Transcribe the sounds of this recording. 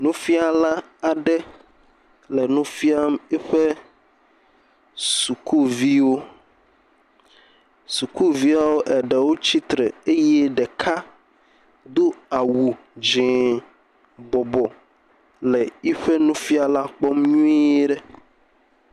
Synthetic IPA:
nũ˦fi˦a˨la˦ | a˨ɖɛ˦ | lɛ˨nũ˦fi˦a˦mɛ˦ɸe˦ | su˨ku˦vi˦wo˦ | su˨ku˦vi˦a˦wo˦ʔɛ˨ɖɛ˨wo˦t͡ɕi˦t̪ɾe˨e˦je˦ɖɛ˨kʰa˦ | d̪o˦a˨wu˨ | d͡ʒɛ̃˨ | bɔ˨bɔ˨ | lɛ˨i˦ɸe˦nũ˦fi˦a˨la˦k͡pɔ˦mɲũ˦e˦ɖɛ˦

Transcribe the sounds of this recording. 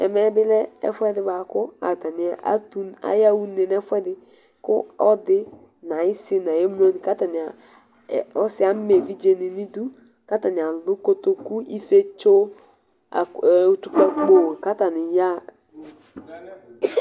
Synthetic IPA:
ɛ̰˨mɛ˦bɪ˦lɛ˦ɛ̰˦fɛ˦dɪ˦ba˨kʊ˦a̰˨ta˨nɪ˨a̰˦tu˦a̰˦ja˦wu˦ne˨n˦ɛ˦fɛ˦dɪ˦ | kʊ̰˦ɔ˦dɪ˦ | na˨ɪ˦sɪ˦na˨je˦m˦o˦ni˨ka˦ta˨nɪ˨a˨ | ɔ˦sɪ˦a˨˦me˨vi˦d͡ʒe˨ni˨ni˦du˦ | ka˦ta˨nɪ˨a˨lʊ˦ko˦to˦ku˦ʔi˦fe˦t͡ʃo˦ | a̰˨u˦tu˦ka˦k͡po˦˨wka˦ta˨nɪ˨ja˦

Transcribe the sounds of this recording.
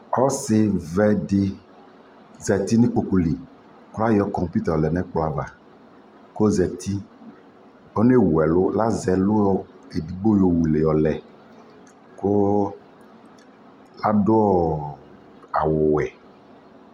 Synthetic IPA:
ɔ˦sɪ˦vɛ˦ɖɪ˦ | zɛ˨t̪i˦nĩ˦k͡po˨ku˨li˨ | kla˦jɔ˦kɔ˨m˨pi˦t̪ɛ˨lɛ˨nɛ̃˦k͡plo˦a˨va̰˨ | ko˦zɛ˨t̪ʰi˦ | ɔ˦ne˦wu˨ɛ˨lʊ˦la˦zɛ˨lʊ˦ɔ˦ | e˨di˨bo˦jo˨wu˨le˨jɔ˨lɛ˨ | ko˦ | la˦dʊ˦ɔ˦ | a̰˨wʊ˨wɛ˨

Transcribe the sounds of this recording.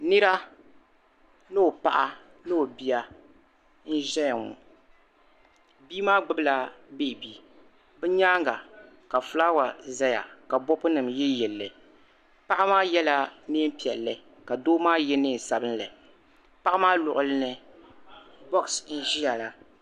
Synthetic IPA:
nɨ˦ɾa˦ | nɨ˦o˨pa̰˨ʔa˦ | nɨ˦o˨bi˦ja˦ | n̩˦ʒɛ˦ja˨ŋʊ̰˨ | biː˦maː˦ɡ͡bɨ˦bɨ˦la˦be˦˨biː˦ | bɛ˦ɲaː˦ŋɡa˨ | ka˨fʊ˦la˦wa˨za˦ja̰˨ka˨bɔ˦pʊ˦nɨ˨mjɛ˦jɛ˨lːɨ˨ | pa˦ʔa˦maː˦jɛ˦la˦ne˦m̩˦pi˨ɛ˨lːɨ˨ | ka˨doː˦maː˦jɛ˦nɨː˦˨sa˨bɨ˦n˦lɨ˨ | pa˦ʔa˦maː˦lʊ˨ʔʊ˨lɨ˦nɨ˨ | bɔ˦ksn̩˦ʒi˦ja˨la˦

